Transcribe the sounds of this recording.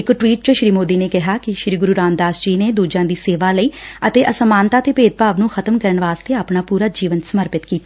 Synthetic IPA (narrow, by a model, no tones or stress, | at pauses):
ɪkʈʋiːʈ̚t͡ʃəʃɾiːmoːd̪iːneːkɪɦaːkɪʃɾiːɡʊɾuːɾaːnd̪aːsd͡ʒiːneːd̪uːd͡ʒãːd̪iːseːʋaːləiːət̪eːʔəsəmãːnt̪aːt̪eːpeːd̪̚paːʋnũːxʰət̪əmkəɾəɳʋaːst̪eːaːpnaːpuːɾaːd͡ʒiːʋənsəməɾpɪt̪kiːt̪a